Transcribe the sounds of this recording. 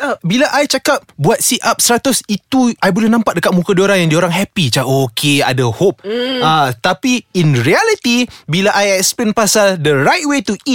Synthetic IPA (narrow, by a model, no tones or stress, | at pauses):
abilaʔajt͡ʃakap̚buat̪̚siʔap̚səɾat̪ʊsit̪uʔajbolɛhnãmpat̪̚dəkat̪̚mũkadioɾaŋjãŋdioɾaŋɦɛpit͡ʃaokʰea̰dəhop̚at̪apiinɹialit̪ibilaʔajɛkspɛnpasaldəɾajt̚wet̪uʔit̚